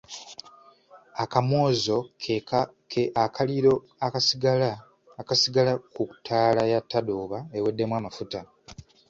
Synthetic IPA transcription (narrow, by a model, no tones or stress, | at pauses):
akamwo̞ːzo̞ | eakaliɾo̞ | asiɡaa | kasiɡalakuku̥tʰaːlajatːadoːβaewe̞dːe̞mwaːmafuta